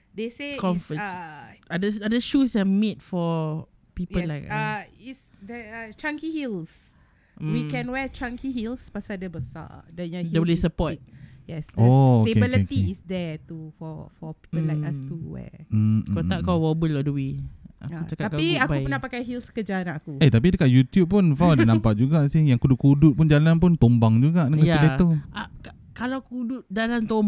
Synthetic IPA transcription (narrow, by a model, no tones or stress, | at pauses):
desekɔ̃mfəʔadəadəʃusɛmet̚fɔ | pipəlajkaisdɛət͡ʃãŋkihils | wikɛ̃nwɛt͡ʃãŋkiɦilspasadəbəsa̰dɛjãdɛwlesəpɔjɛsdəot̪ebilit̪iːsdɛt̪ufɔfɔpi̥pəlajkasuwɛ̰kot̪aʔ̚kawɔbulɔʔduwiʔa̰kut͡ʃakaakaiakbaujpənahpakajɦilskəd͡ʒaanakuet̪ap̬idəkaʔjut̪jup̚ːʊnfadnampaʔ̚d͡ʒuɡaʔsɪhjaŋkuduʔkuduʔ̚pund͡ʒalanpʊnt̪ombaŋd͡ʒuɡaʔdəŋkəsjidɛt̪oʔaka | kalawkuduʔ̚d͡ʒalant̪om